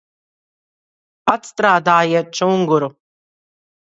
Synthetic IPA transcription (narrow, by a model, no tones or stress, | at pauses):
at̪st̪ɾaːd̪aːjiɛt̪̚t͡ʃuŋɡuɾu